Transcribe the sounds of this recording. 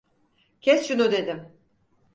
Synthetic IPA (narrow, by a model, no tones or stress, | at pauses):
cʲʰɛsʃunud̪e̞d̪ɪm